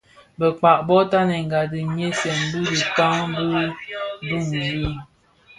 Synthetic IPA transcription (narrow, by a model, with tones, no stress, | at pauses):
bə˨k͡pa˨ʔbɔ˦ta˦nɛ˨ŋ˨ɡa˨dɨ˨mje˦sjɛ˨m˦bu˦di˨ta˦ŋbu˦bu˦˨ŋɛ˨ji˦